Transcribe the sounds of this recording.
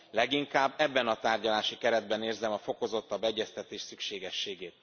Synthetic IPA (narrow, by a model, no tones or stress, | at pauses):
lɛɡiŋkaːbːɛbːɛnɒt̪aːrɟɒlaːʃikɛɾɛd̪̚bɛneːrzɛmɒfo̞ko̞zo̞t̪ːɒbːɛɟːɛst̪ɛt̪eːʃsykʃeːɡɛʃːeːɡeːt̪̚